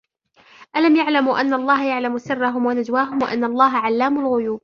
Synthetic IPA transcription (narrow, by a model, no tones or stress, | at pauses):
ʔalamjaʕlamʔanːaʔlˤːɑːɦajaʕlamsɪrˤːaɦʊmwanad͡ʒwaːɦʊmwa̰ʔanːalˤːɑːɦaʕalːaːmʊlɣʊjuːb̚